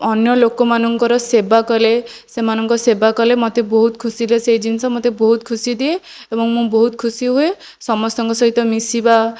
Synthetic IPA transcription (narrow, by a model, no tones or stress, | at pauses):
ɔnjɔlokɔmanɔŋkɔɾɔsebakɔle | semanɔŋkɔsebakɔlemɔt̪ebɔɦut̪kʰusileseɦid͡ʒinisɔmɔt̪ebɔɦut̪̚kʰusid̪ie | ebɔŋmũbɔɦut̪̚kʰusiɦue | sɔmɔst̪ɔŋkɔsɔɦit̪ɔmisiba